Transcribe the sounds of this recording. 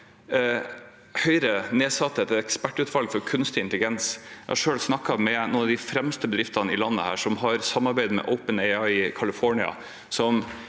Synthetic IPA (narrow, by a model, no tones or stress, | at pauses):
hœʏɾəneːsɑt̪ːət̪ʰɛɛkspæʈːʉt̪ʋɑlɡfɔɾkʰʉnst̪ɪɪnt̪əlɪɡɛnsjɛɪhɑʂøːɽsnɑkːɑmɛnuːnɑʋd̪ɪfɾɛmst̪əbəd̪ɾɪft̪ɑnɪlɑnːə̰hæ̰ːʂɔmɦɑɾsɑmːɑɾbæɪd̪əmɛ̰ʔɔʊpənɛɪɑɪɪkʰɑlɪfɔɳɪɑ̰ | sɔm